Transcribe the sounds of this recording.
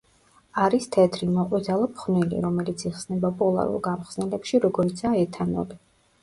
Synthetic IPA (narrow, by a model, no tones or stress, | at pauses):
aɾist̪ʰɛd̪ʰɾinɔqʼwid̪alˠɔpʰχnwilḭɾɔmɛlit̪sʰiχsnɛbapʼɔlˠa̰ɾṵlˠɡamχz̥nɛlɛpʃiɾɔɡɔɾit̪sʰaɛt̪ʰanɔ̰li